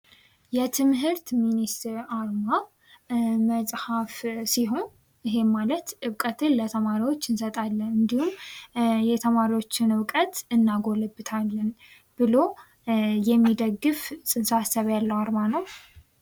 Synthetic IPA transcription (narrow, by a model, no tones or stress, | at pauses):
jɛt̪ʰɨmɦɨɾt̪minist̪ɾaɾma | məsʼhafsiɦo̞n | iɦe̞malət̪ʔɨβkʼət̪ʰɨnlət̪ʰəmaɾiwo̞t͡ʃːɨnsət̪ʼalːənɨnd̪ihum | jɛt̪ʰəmaɾiwo̞t͡ʃːɪnɨwkʼət̪ɨnːaɡolɨbːɨt̪ʰalːən | b̥ɨlo̞ | jɛmːid̪əɡːɨfsɨnsasəβjalːəwaɾmanəw